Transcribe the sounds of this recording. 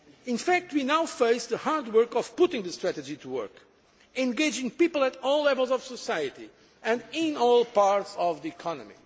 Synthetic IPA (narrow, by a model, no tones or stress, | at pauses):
ɪ̃nfæk̚t̚ʰwinawfeɪsðəhaɹdwɜ˞kɔv̥pʊtɪ̃ŋðɨst̪ɹætɨd͡ʒitʰuwɜ̰˞k | ɛ̃nɡeɪd͡ʒɪ̃ŋpiplˠætɔlˠlːɛvəlˠzɔv̥səsajɨti | ɨ̃nɪ̃nɔlˠpaɹtsɔvðiɨkʰɑnɨ̰mḭ